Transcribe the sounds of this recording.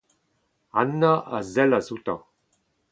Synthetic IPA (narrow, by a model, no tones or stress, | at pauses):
anːaʔazɛlazut̪ã